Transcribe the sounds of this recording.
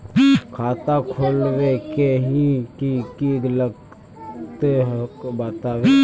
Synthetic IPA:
kʰaːt̪akʰoːlwekeɦĩkikiɡləɡ | t̪ɦbət̪aʋe

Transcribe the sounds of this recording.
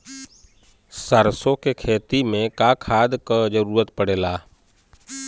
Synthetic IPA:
səɾsõkekʰeːt̪imẽkakʰaːd̪kad͡ʒəɾuːɾət̪pəɽeːlaː

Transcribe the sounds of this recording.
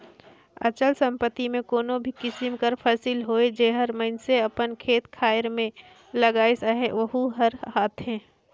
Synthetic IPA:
ɐ̰t͡ʃəlsə̃mpət̪ːimẽkoːnobʱikɪsɪmkəɾpʰəsilɦoːed͡ʒeɦəɾməɪnseɐpənkʰeːt̪kʰaːɪɾmẽ | ləɡaːesaɦeʋəɦuɦəɾhaːt̪ʰɦɛ̃ː

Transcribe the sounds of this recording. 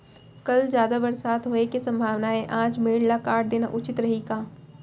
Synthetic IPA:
kɐld͡ʒjaːd̪abɐɾsaːt̪ɦoːekisɐ̃mbʱaːʋnaẽʔãːd͡ʒmeːɽlakaːʈ̚d̪eːna̰ʔʊt͡ʃɪt̪ɾɐɦikaː

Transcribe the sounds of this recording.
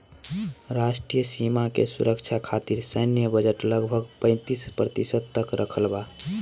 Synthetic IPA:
ɾasʈɾijəsimakḛsṵɾəkt͡ʃʰakʰat̪iɾsəɪnjəbəd͡ʒəʈləɡbʱəɡpə̃ɪ̃t̪ispɾət̪isəd̪̚t̪əkɾʔəkʰəlba

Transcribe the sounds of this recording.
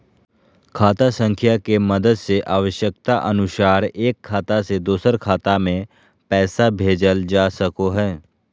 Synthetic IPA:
kʰaːt̪asə̃ŋkʰjakemɐd̪əd̪seʔaːʋəʃjək̚t̪aʔɐnʊʃaːɾeːkʰːaːt̪ased̪oːsəɾkʰaːt̪amẽ | pɛːsabʱeːd͡ʒəld͡ʒaːsəkoɦɛː

